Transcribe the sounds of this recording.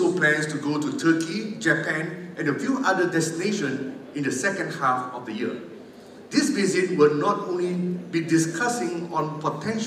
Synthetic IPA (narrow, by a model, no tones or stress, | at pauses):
oplɛ̃nstuɡotutʰəkid͡ʒəpɛ̃nʔɛ̃nəfjuʔadədɛstineʃə̃nĩndəsɛkə̃ndhafɔfdəjiə̰ | disvizit̚wɪlnɔtõnlibidiskʰasɪ̃ŋɔ̃npɔtʰɛ̃nʃ